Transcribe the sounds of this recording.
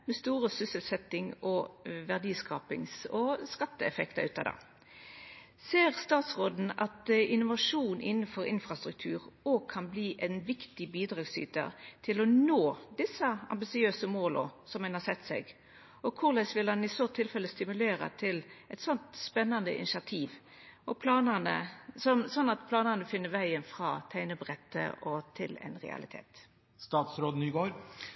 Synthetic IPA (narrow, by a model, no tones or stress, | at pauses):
mɛst̪uːʁəsʏsəlsɛt̪ːɪŋɔʋæʁd̪iːskɑ̰ːpɪ̰ŋsɔskɑt̪ːəɛfɛkt̪ə̰ʉːt̪ɑ̰d̪ɑ̰ː | seːʁst̪ɑːt̪sʁoːd̪n̩ɑ̰t̪ɪnʊʋɑʂuːnʔɪnːən̩fɔɾɪnfɾɑst̪ɾʉk̚t̪ʰʉːʁoːɡ̚kʰːɑnbliːʔɛɪnʋɪkt̪ɪbiːd̪ɾɑːɡsy̰ːt̪ə̰t̪ʰɪlɔnoːd̪ɪsəɑ̰mbɪsɪøːsəmoːlɔ̰sɔmhɛnhɑsɛt̪ːsɛ̰ɡ | ʔɔkʰʊlɛɪsʋɪlhɑnɪsɔt̪ʰːɪlfɛləst̪ɪmʉleːɾə̰t̪ʰɪlɛt̪sɔnt̪spɛnːɑnd̪ə̰ʔɪ̰nɪsɑt̪ʰiːʋ | ɔpʰlɑːnənə̰sɔmsɔnːɑt̪pʰlɑːnənəfɪnːəʋæɪənfɾɑːt̪ʰæɪnəbʁɛt̪ːə̰ʔɔt̪ʰɪlɛ̰ɪnʁɛ̰ɑ̰lɪ̰t̪ʰḛːt̪ | st̪ɑːt̪sɾoːd̪nyːɡoːɾ